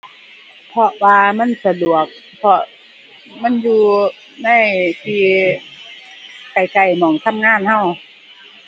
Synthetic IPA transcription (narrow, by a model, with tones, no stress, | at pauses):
pʰɔ˧ʔwaː˧ma˧˥˨nsa˧du˨˩ək̚ | pʰɔ˧ | ma˧˥˨njuː˧ | na˧˥˨jt̪ʰiː˧ | ka˨˩jka˨˩jmɔː˨˩˦ŋt̪ʰa˧˥˨mŋaː˧˥˨nha˧˩˨w